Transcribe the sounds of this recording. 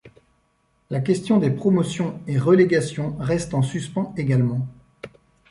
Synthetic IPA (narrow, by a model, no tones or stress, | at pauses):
lak̬ʲɛst̪jɔ̃d̪epχɔmɔsjɔ̃eʁəleɡasjɔ̃ʁɛst̪ɑ̃syspɑ̃eɡalmɑ̃